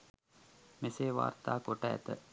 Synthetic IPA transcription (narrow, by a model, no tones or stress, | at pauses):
meseːʋa̰ːrt̪aːkoʈəæ̰t̪ə̰